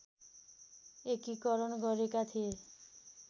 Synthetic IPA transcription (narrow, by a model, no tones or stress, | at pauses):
ekikɔɾɔɳɡɔɾekat̪ʰie